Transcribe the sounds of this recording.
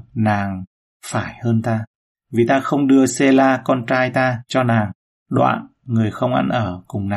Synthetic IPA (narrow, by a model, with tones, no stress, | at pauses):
naː˨˩ŋ | faː˧˩jhəː˧nt̪aː˧ | vi˨˩t̪aː˧xə˧wŋ͡mɗɨ˧əse˧laː˧kɔ˧nt͡ɕaː˧jt̪aː˧t͡ɕɔ˧naː˨˩ŋ | ɗwa̰ː˧˨n | ŋɨ˨˩əjxə˧wŋ͡mʔa̰˧nʔəː˧˩kʊ˨˩ŋ͡mnaː˨˩